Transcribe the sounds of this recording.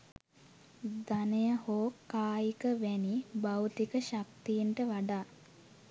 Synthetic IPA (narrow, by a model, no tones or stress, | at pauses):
d̪anejəhoːkːaːjikəʋɛnibawt̪ikəʃak̚t̪ijiɳʈəʋaɖaː